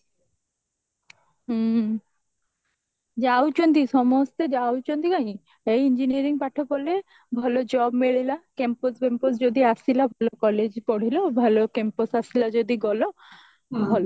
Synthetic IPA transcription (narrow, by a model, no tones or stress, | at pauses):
d͡ʒawt͡ʃond̪isɔmost̪ed͡ʒawt͡ʃond̪ikaĩ | ejind͡ʒiniaɾiŋpaʈʰobole | bʱɔlod͡ʒɔbmeɭilakemposbempos̬d͡ʒod̪iasilabʱɔlokɔled͡ʑpɔɽ̤ilobʱɔlokemposasilad͡ʒod̪iɡɔlo | bʱɔlo